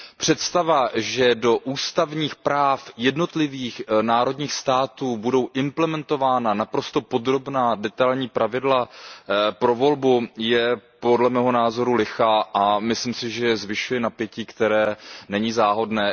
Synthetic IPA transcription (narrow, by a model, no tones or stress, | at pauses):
pr̝̥ɛt̪st̪avaʒɛdo̞ʔuːst̪avɲiːxpɾaːfjɛdno̞t̪lɪviːxnaːɾo̞dɲiːxst̪aːt̪uːbudo̞wʔɪmplɛmɛnt̪o̞vaːnanapɾo̞st̪o̞po̞d̪ɾo̞bnaːdɛt̪alɲiːpɾavɪdla | pɾovo̞lbujɛpo̞dlɛmɛːɦo̞naːzo̞ɾulɪxaːʔamɪslimsɪʒɛjɛzvɪʃujɛnapjɛciːkt̪ɛɾɛːnɛɲiːzaːɦo̞dnɛː